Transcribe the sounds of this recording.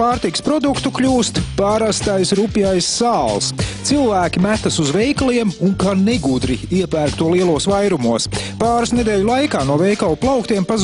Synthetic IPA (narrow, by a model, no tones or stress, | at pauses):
paːɾt̪ikspɾɔd̪ukt̪ukʎʲuːst̪paɾast̪ajsɾupjajsːaːlˠst̪silˠvæːkʲimæt̪asuzvɛjkliɛmuŋkanɛɡud̪ɾiiɛpæːɾkt̪uɔliɛlˠuɔsvajɾumuɔspaːɾʊsned̪eːʎʲulˠajkaːnuɔvɛjkawplˠawkt̪iɛmpaz